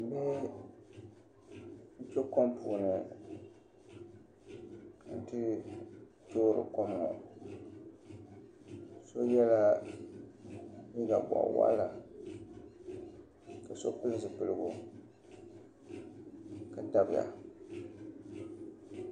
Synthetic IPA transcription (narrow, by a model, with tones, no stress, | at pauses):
m̩˨bɛ˦ | n̩˦t͡ʃɛ˦ko˦mpuː˨nɨ˨˦ | n̩˦tɨ˦ | toː˦ɾɨ̰˨ko˦mːɔ̰˨ | so˦jɛ˦la˦ | ni˦ɡa̰˨ba̰˨wa̰˦la˨ | ka˨so˦kʊ˦lsɨ˨pɨ˦lɨ˦ɡo˨ | ka˨da˦bɪ˨ja̰˨